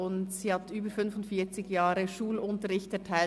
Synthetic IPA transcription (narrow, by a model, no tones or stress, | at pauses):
ʊntsiːhɑtyːbəfʏnfʊntfiːt͡sɪɡjaːɾəʃuːlʊntəɾɪçtɛɐtʰaɪ